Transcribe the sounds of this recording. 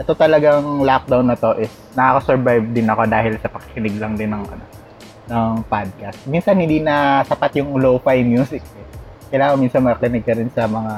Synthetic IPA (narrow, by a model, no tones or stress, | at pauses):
ʔɛt̪o̞t̪ɐlɐɡaŋlak̚d̪awnːɐt̪o̞ʔɪs | nɐakɐsɛɹbajv̚d̪ɪnɐko̞d̪aːhɪlsɐpɐkːɪ̥kɪnɪɡlɐŋd̪ɪnːɐŋkɐnɐ | nɐŋpad̪̚kɐst̪̚minsɐnhɪ̃nd̪inɐsɐpat̪jʊŋlofajmjuːsɪk̚ɛ | kɐjlaːŋɐŋminsɐnmɐɐkɪnɪɡ̚kɐɾɪnsɐmɐŋa